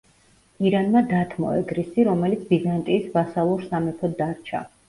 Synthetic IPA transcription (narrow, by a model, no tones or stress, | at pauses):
iɾanmad̪at̪ʰmɔ̰ɛ̰ɡɾisiɾɔmɛlit̪sʰbizant̪ʼiːsbasalˠuɾsamɛpʰɔd̪ːaɾt͡ʃʰa̰